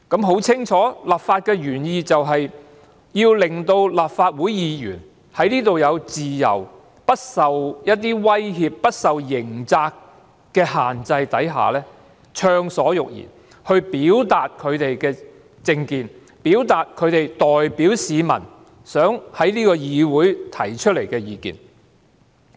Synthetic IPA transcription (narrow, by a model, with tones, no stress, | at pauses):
kɐ˨˥mɦo˨˥wt͡sʰɪ˥ŋt͡ʃʰɔː˨˥laː˨˩pfaː˧t̚kɛː˧jyː˨˩njiː˨˧t͡sɐ˨wɦɐ˨j | jiː˧wlɪ˨ŋt̪o˧wlaː˨p̚faː˧t̚wuː˨˥jjiː˨˧jy̰ː˨˩n | hɐ˨˥jniː˥t̪o˨wjɐ˨˧wt͡siː˨jɐ̰˨˩w | pɐ˥t̚sɐ˨wjɐ˥t̚t̪iː˥wɐ˥jɦiː˧pːɐ˥t̚sɐ˨wjɪ˨˩ŋt͡saː˧k | kːɛː˧ɦaː˨nt͡sɐ˧jt̪ɐ˨˥jɦa̰ː˨lɛː˥ | t͡ʃʰœː˧ŋsɔː˨˥jʊ˨k̚jḭː˨˩n | hɵ˧ɥpiː˨˥wt̪aː˨t̚kʰɵ˨˧ɥt̪e˨jkɛː˧ | t͡sɪ˧ŋkiː˨n | piː˨˥wt̪aː˨t̚kʰɵ˨˧ɥt̪e˨˩jt̪ɔː˨jpiː˨˥wsiː˨˧mɐ̰˨˩n | sœː˨˥ŋhɐ˨˥jliː˥kɔː˧jiː˨˧wuː˨˥jt̪ʰɐ˨˩jt͡ʃʰɵ˥t̚le˨˩jkɛː˧jiː˨˧kḭː˨n